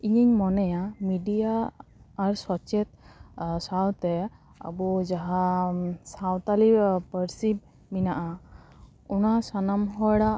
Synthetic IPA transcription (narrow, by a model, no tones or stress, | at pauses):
iɲiɲmɔnɛjamiɖijaː | ɾswɔt͡ʃɛt̪̚sawt̪ɛ | a̰bud͡ʒaɦasawt̪alipəɾsib̚ | minaʔa | unasanamɦɔɽa